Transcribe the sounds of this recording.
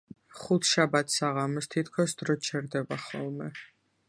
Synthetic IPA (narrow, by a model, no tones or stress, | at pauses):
χut̪ʰʃabat̪ʰsaʁamɔst̪ʰit̪ʰkʰɔsd̪ɾɔt͡ʃʰɛɾd̪ɛbaχɔ̰lˠmɛ